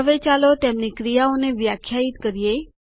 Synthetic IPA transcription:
əʋet͡ʃalot̪emnikɾijaoneʋjakʰːjait̪kəɾije

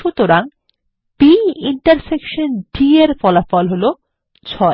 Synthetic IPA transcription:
ut̪oɾaŋ | piiɳʈaɾsekʃonɖieɾfɔlafɔlɦolo | t͡ɕʰɔe

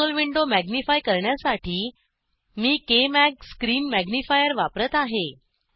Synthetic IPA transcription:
olʋiɳɖomæɡnifajkəɾɳjasaʈʰiː | miːkemæk̚skɾiːnmæɡnifajəɾʋapɾət̪aɦe

